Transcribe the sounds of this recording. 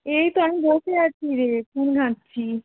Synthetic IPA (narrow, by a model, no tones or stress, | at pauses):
ejt̪oamibotʰeat͡ɕʰiɾepʰunɡʱãtːɕʰi